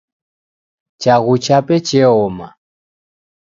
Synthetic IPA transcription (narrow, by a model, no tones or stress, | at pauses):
t͡ʃaɣut͡ʃapɛt͡ʃɛɔma̰